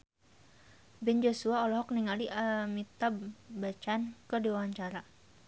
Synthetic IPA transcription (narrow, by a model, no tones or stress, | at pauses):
bɛnd͡ʒosuaɔlɔɦɔk̚niŋaliʔamit̪abat͡ʃankədiwawaɲt͡ʃaɾa